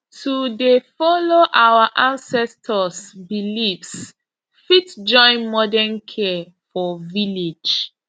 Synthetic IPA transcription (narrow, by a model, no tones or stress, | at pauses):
tudefɔloʔawaʔãnsɛstʰɔsbilifs | fitd͡ʒɔ̃ɪ̃nmɔdɛnkʰɛ | fɔviled͡ʒ